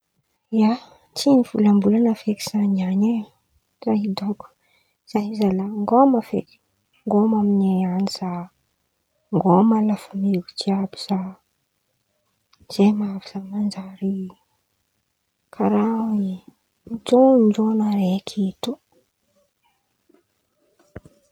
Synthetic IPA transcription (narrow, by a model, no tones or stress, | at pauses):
ja | t͡siniv̥ulambulanəfeki̥z̥aɲiane | zaɦid̪oku̥ | z̥ajizalaŋɡomafḛk | ŋɡomamineaniz̥a | ŋɡomalafamiɡut͡siabi̥z̥a | z̥emaaviz̥amand͡ʒaɾi | kʰaɾawi | d͡ʒond͡ʒonaɾekʰet̪u